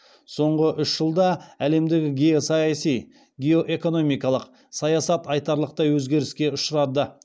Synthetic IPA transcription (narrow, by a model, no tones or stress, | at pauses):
so̞ɴʁəʔʏʃʒ̥əlˠd̪ɑæle̞md̪e̞ɡʲɪɡʲejosɑjɑsij | ɡʲeo̞ʔe̞ko̞no̞mijkɑlˠəq | sɑjɑsɑt̪ɑjt̪ɑɾlˠəq̚t̪ɑjwɵzɡʲe̞ɾɪskʲe̞ʊʃəɾɑd̪ə